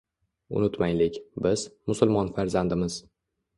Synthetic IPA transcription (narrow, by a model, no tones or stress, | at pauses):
ʊ̰nʊt̪majlɪkʲbɪzmʊsʊlˠmɒnfaɾzand̪ɪmɪz̥